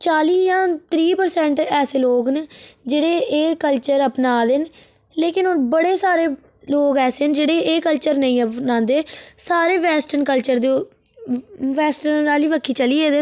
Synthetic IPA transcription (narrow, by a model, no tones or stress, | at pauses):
t͡ʃaːliːjãːt̪ɾiːpəɾsɛ̃ːɳʈɛːseːloːɡnd͡ʒeːɽeːeːkəlt͡ʃəɾəpnaːd̪ɪn | leːkɪnoːbəɽeːsaːɾeː | loːɡɛːseːnd͡ʒeːɽeːeːkəlt͡ʃəɾnəĩːəpnãːnd̪eːsaːɾeːʋɛːsʈənkəlt͡ʃəɾd̪e | ʋɛːsʈənaːliːʋəkʰːiːt͡ʃəliːeːd̪eː